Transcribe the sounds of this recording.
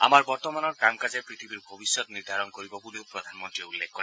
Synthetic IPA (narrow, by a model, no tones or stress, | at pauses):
a̰maɾbɔɾt̪ɔmanɔɾkamkad͡ʒepɾit̪ʰibiɾbʱɔbisjɔt̪ɔniɾd̪ʱaɾɔnkɔɾibɔboleopɾɔd̪ʱanmɔnt̪ɾieulːekʰːkɔɾe